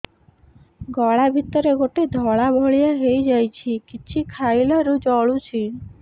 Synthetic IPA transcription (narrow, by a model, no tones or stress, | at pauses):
ɡɔɭabʱit̪ɔɾeɡoʈed̪ʱɔɭabʱɔɭijaɦejd͡ʒajt͡ʃʰikit͡ʃʰikʰajlɔɾud͡ʒɔɭut͡ʃʰi